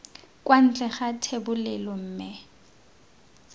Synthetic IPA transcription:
kʼwan̩t͡ɬʼɛχatʰebʊlɛlɔm̩ːmɪ

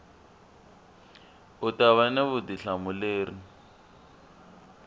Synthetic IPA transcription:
ʊtaβanɛβʊdiɬamʊleːri

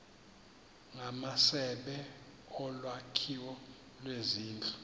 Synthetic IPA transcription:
ŋamasɛɓɛ | ɔlwakʰiwɔ | lweziːnd͡ɮʼu

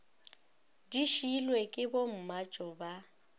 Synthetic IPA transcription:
diʃilwekʼɪbom̩mat͡ʃʼɔba

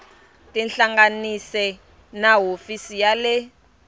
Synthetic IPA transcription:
tʼɛnɬaŋɡanisɛ | naɦofisijalɛ

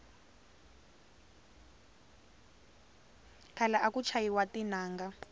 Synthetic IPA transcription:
kalaʔakut͡ʃʰajiwatinaːŋɡa

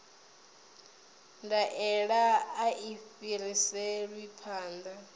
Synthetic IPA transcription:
ndaʔɛɺaːʔifiɾisɛɺwipʰaːnd̪a

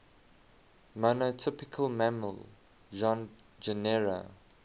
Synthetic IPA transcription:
monotʰɪpɪkʰəlˠmæməl | ʒɔ̃n | d͡ʒənɛɹə̰

